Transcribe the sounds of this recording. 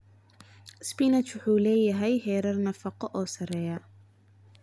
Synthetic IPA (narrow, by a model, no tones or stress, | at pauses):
spinɐt͡ʃwʊħuːlɛːjɐɦɛjhɛːɾɐrnɐfɑqɔʔɔːsɐrɛːjɐ